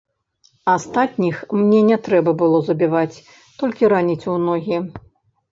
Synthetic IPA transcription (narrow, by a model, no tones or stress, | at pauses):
ast̪at̪ʲnʲixmnʲɛnʲɛt̪ɾɛbɐbɨlˠɔzɐbʲivat͡sʲ | t̪ɔlʲkʲiɾanʲit͡sʲunɔɣʲi